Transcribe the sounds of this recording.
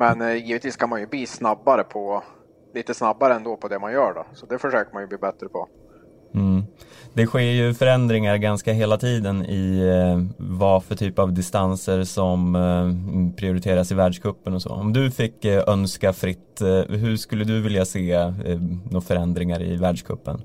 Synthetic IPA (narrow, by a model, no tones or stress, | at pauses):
mɛnjiːvət̪ʰviːskʰanmanjɵbliːsnabːaɾəpʰɔ | liːt̪əsnabːaɾəɛnd̪opʰɔd̪ɛmanjœːɖɔ̰sɔd̪ɛfœʂøːkəmanjɵbliːbɛt̪ɾəpʰɔ | m̩ːd̪ɛɧeːɾjɵfœɾɛnd̪ɾɪŋaɾɡanskaɦeːlat̪ʰiːd̪ənɪ | vafœʈʰyːpavd̪ɪst̪ansəɾsɔm | pʰɾɪʊɾɪt̪ʰeːɾasɪvæːɖʂkʰɵpːənɔsɔ̰ːɔmd̪ɵfɪkːœnskafɾɪt̪ːɦɵʂkɵlːəd̪ɵvɪljaseː | noːfœɾɛnd̪ɾɪŋaɾɪ̰væːɖʂkʰɵ̰pːə̰n